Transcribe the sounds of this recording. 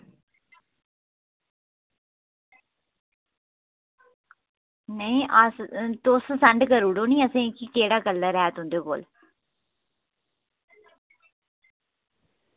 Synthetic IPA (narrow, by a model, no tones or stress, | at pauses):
nəĩʔast̪oːssɐɳɖkəɾuːɽoːnĩːəsẽkikeːɽaːkəlːəɾɛːt̪ɦʊ̃nd̪oːko̰ːl